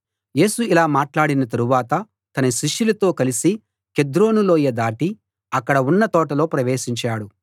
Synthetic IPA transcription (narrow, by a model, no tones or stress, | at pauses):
je̞ːsuilaːmaːʈlaːɽinɐt̪ɐɾuʋaːt̪ɐ | t̪ɐnɐʃiʂjulɐt̪o̞ːkɐlisi | ke̞d̪ɾo̞ːnulo̞ːjɐd̪aːʈi | ɐkːɐɽɐunːɐt̪ɔːʈɐlo̞ːpɾɐʋe̞ːʃiɲt͡ʃaːɽu